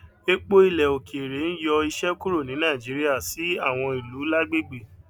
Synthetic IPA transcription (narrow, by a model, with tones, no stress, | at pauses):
e˦k͡po˦i˦˨lɛ˨o˨ki˨e˨ɾe˨˦n̩˦jɔ˧i˧ʃɛ˦ku˦ɾo˦˨nĩ˨˦nã˦˨d͡ʒi˨˦ɾi˦a˦˨si˨˦a˦˨w̃ɔ̃˧i˨lu˨˦la˦ɡ͡be˦˨ɡ͡be˨